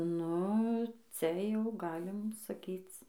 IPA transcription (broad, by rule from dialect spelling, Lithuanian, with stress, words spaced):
ˈnʊ ˈt͡sʲɛ jɛʊ ˈɡɑːlʲɪm sɐˈkʲiːt͡s